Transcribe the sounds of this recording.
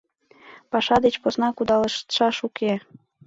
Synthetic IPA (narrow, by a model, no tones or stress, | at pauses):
pɑʃɑd̪et͡ɕposnɑkud̪ɑləʃt̪ʃɑʃuke